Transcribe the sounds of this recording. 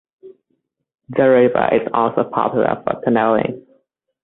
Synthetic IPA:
dəɹɪvə̰ʔɪzɔlˠsoʊpʰɑ̰pjlˠə̰fɔkʰənɛlɪ̰̃ŋ

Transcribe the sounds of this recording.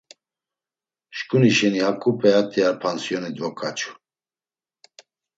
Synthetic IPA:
ʃkʼuniʃɛnihakʼupʼɛat̪ʰʼiaɾpʰansjɔnɛd̪vɔkʰʼat͡ʃʰʼu̥

